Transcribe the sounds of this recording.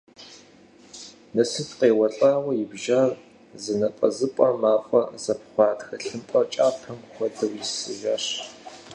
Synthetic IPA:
nɐsɨtqeːwɐɬʼaːwɐjɪbʒar | zɨnɐpʼɐ̰zɨpʷʼɐmaːfʷʼɐ̰zɐp̚ʰχʷɑːdxɐɬɨmpʼɐt͡ʃʼaːpʰɐmxʷɔdɨwjɪsɨʒaːɕ

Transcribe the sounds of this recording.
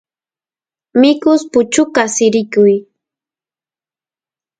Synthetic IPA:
mɪkʊspʊt͡ʃʊkasɪɾɪkʊj

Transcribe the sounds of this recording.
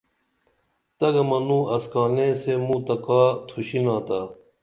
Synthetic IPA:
t̪ɐɡɐmɐnũːɐskaːnẽːsemũːt̪ɐkaːt̪ʰuɕinãːt̪aː

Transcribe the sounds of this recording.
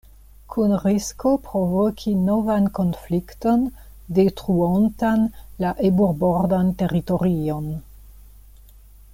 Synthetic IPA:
kʰunɾisko̞pɾovokʰinovanko̞nflikto̞n | detɾuontanlaʔebuɾboɾdante̞ɾito̞ɾio̞n

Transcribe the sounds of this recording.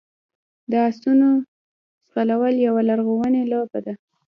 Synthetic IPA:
d̪əasuno | sqalawəljawalaɾɣowənelɑbad̪a

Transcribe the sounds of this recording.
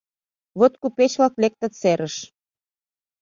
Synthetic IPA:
βot̪̚kupet͡ɕβlɑklek̚t̪ə̆t͡seɾəʃ

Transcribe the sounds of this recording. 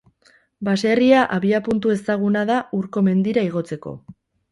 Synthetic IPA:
base̞riaʔaβiapunt̪ue̞st̪aɣ̞unaðauɾko̞me̞nd̪iɾaiɣo̞t͡se̞ko̞̰

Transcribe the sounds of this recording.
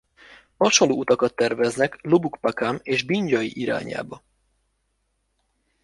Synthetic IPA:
hɒʃonlːoːut̪ɒkɒt̪ːɛrvɛznɛklobukpakaːmeːʒbiɲɟɒjḭʔiɾa̰ːɲa̰ːbɒ

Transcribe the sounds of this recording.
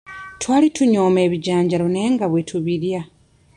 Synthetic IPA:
twaːlituɲoːme̞ːβiɟaːɲɟaɾone̞ːŋɡaβwe̞tʰuβiɾja

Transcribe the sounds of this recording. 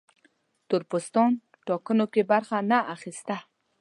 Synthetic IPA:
t̪ʊɾpʊst̪ɑn | ʈɑkənokebaɾxanaʔaxist̪a

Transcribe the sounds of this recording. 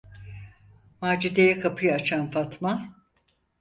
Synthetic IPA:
maːd͡ʒid̪ejɛkʰapʰɯjaat͡ʃʰanfat̪ma

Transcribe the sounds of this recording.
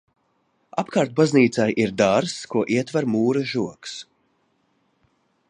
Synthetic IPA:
a̰pkʰaːɾt̪̚bazniːt̪sajʔiɾd̪aɾskuɔʔiɛt̪vaɾmuːɾɨʒuɔks

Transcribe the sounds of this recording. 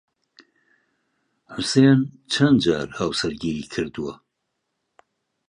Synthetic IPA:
ħʊseːn | t͡ʃʰɐnd̪d͡ʒaːɾhaːwsɐɾɡiːɾiːkʰɨɾd̪uwɐ

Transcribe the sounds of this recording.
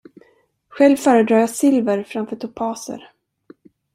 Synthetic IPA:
ɧɛlvfœːɾəd̪ɾɑːjasɪlvəɾfɾamfœːʈʰʊpʰɑːsə̰ɾ

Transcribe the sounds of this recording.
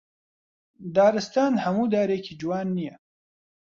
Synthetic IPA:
d̪ɑːɾɪst̪ɑːnhamud̪aːɾekʰid͡ʒuwɑːnːije

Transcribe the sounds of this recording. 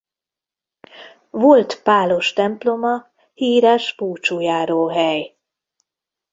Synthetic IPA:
vo̞lt̪paːlo̞ʃt̪ɛmplo̞mɒ | hiːɾɛʃbuːt͡ʃuːjaːɾoːɦɛj

